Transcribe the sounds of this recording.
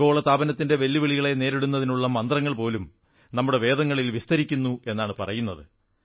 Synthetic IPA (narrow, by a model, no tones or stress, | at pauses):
o̞ːɭɐt̪aːbɐnɐt̪ːinde̞ʋelːiʋeɭiɣɐɭe̞ne̞ːɾeɽunːɐðinuɭːɐmɐnd̪rɐŋːɐɭpo̞ːlum | nɐmːuɽe̞ʋe̞ːd̪ɐŋːɐɭilʋist̪ɐɾikʲːunːue̞nːaːɳɨpɐ̰rɐjunːɐðɨ